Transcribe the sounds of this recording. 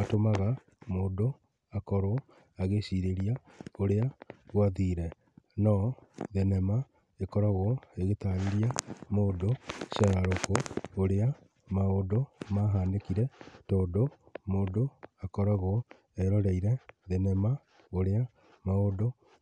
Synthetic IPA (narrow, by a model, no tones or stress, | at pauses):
atomaɣa | moːdo | akɔɾo | aɣeɕiɾeɾia | oɾeaɣwaðiːɾɛ | nɔðenɛma | ekɔɾaɣoeɣetaɾiɾiamoːdoʃaɾaɾokoːɾea | maodomaːɦaːndekiɾɛtoːndo | moːdoakɔɾaɣo | ɛɾɔɾɛiɾɛðenɛma | oɾea | maodo